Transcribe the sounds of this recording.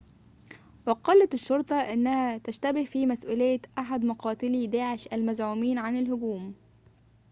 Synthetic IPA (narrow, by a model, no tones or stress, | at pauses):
wɑqɑlːɑt̪ɪʃːoɾˤt̪ˤɑʔɪnːæhæt̪æʃt̪æbɪhfiːmæsʔuːlejːæʔaħad̪mɑqɑːt̪ɪlid̪æːʕeʃʔælmæzʕuːmiːnʕanɪlhʊɡuːm